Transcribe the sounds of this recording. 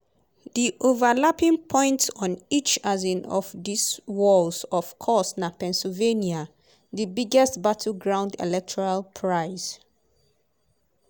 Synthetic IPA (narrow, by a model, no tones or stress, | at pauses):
diʔovalapĩŋpʰɔ̃ɪ̃ntɔ̃nit͡ʃazĩnɔfdiswɔlzɔfkʰɔsnapɛ̃nsilvenia | ðəbiɡɛstbatʰl̩ɡɹãʊ̃ndḛlɛk̚tʰɔɹalpʰɹaɪz̥